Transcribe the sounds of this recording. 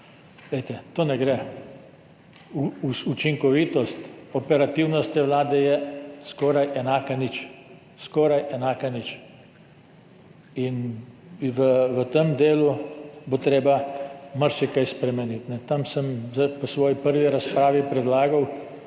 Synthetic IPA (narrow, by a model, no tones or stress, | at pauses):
leɪt̪ɛt̪oːnɛɡɾɛ | ut͡ʃiŋkɔʋiːt̪ɔst̪ɔpɛɾat̪iwnɔst̪jɛʋlaːd̪ɛjɛskɔːɾajʔɛnaːkanit͡ʃ | skɔːɾajʔɛnaːkanit͡ʃ | in | ʋəʋət̪emd̪eːlubot̪ɾeːbamaɾʃikajspɾɛmɛnit̪nɛt̪amsəmzapɔsʋɔːjipəɾʋiɾaspɾaːʋipɾɛd̪laːɡaw